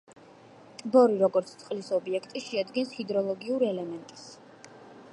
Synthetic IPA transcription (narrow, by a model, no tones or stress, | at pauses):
t̪ʼbɔɾiɾɔɡɔɾt̪sʰt̪sʼqʼlisɔbiɛkʰt̪ʼiʃɛad̪ɡɛnshid̪ɾɔlˠɔɡiuɾɛlɛmɛnt̪ʼi̥s